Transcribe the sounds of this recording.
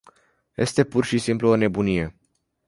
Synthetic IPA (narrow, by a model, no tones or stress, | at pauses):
je̞̰st̪e̞purʃisimpluo̞ne̞bunije̞